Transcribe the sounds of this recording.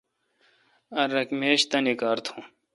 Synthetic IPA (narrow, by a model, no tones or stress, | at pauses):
ɐɾɐkmeːɕt̪ɐnikaːɾt̪ʰũː